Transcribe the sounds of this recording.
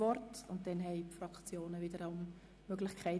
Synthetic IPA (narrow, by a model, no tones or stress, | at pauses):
ɔrtʊnt̚d̥ɛnɦɛɪpfrɑkt͡sjoːnəvɪdəɾaʊm | møɡlɪχkʰaɪ